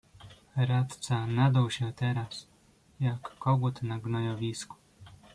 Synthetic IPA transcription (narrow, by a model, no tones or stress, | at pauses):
ɾat̪t̪sanad̪awɕɛt̪ɛɾas | jakːɔɡut̪naɡnɔjɔvʲisku̥